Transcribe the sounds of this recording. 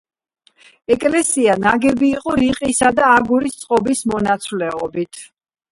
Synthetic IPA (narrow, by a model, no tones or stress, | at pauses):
ɛkʼlɛsianaɡɛbiːqʼɔɾiqʼisad̪aːɡuɾist̪sʼqʼɔbismɔnat̪sʰwlɛɔbit̪ʰ